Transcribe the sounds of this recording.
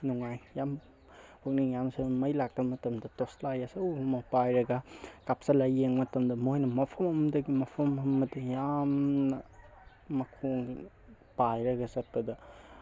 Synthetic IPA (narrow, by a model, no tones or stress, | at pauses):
nuŋajjam | hok̚niŋjamsemɐjlak̚tɐmɐtɐmdɐtoslajasɐwmɐpajɾɐɡɐkap̚sɐlajeŋmɐtɐmdɐmojnɐmɐpʰɐmɐmɐdɐɡimɐpʰɐmɐmɐdɐjamnɐ | mɐkʰoŋi | pajɾɐɡɐsɐt̚pbɐdɐ